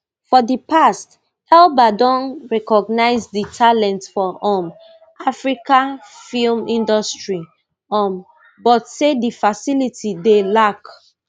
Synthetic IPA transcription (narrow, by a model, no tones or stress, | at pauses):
fɔdipast | ɛlbadɔ̃nɹɛkɔɡ̚naɪzditʰalɛ̃ntsfɔʔɔ̃m | ʔafɹikãfilmĩndɔstɹi | ɔ̃m | bɔtsedifasilitʰidelak